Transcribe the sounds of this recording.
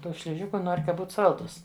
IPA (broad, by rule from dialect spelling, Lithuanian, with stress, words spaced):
ˈtuː ʃʲlʲɪˈʒʲɪkʊ ˈnoːrʲ kɐ ˈbuːt ˈsɐlˠduːs